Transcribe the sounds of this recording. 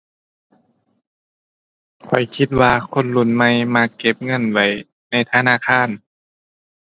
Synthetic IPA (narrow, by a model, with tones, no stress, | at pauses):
kʰɔ˨˩˦jkʰi˧t̪̚waː˧kʰo˧˥˨nlu˧˩˨nma˧˨jmaː˧˨kːe˧˦p̚ŋɤ˧˥˨nwa˧˩j | na˧˩˨jt̪ʰa˧˨naː˧˥˨kʰaː˧˥˨n